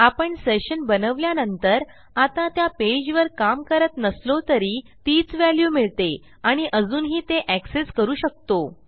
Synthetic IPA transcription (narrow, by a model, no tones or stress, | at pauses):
apəɳseɕənbənəʋljanənt̪əɾ | at̪ãt̪japed͡ʑʋəɾkamkəɾət̪nəslot̪əɾiːt̪iːt͡sʋæljuːmiɭt̪e | aɽ̃iʔəd͡zuːnɦiːt̪eʔækseskəɾuːɕək̚t̪o